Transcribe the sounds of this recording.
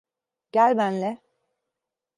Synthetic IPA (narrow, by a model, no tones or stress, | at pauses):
ɟ̥ælʲbænlɛ